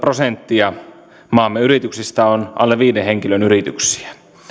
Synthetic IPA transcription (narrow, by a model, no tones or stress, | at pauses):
prosent̪ːiɑ | mɑːmːeyɾit̪yksist̪æonʔɑ̰lːeʋʋiːdeheŋkilønyɾit̪yksi̥æ̥